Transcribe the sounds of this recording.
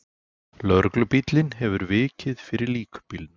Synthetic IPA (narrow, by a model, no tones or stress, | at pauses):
lœɾklʏpit̪lɪnɦɛvʏɾvɪːcɪðfɪɾɪɾliːkʏ̥pild̪n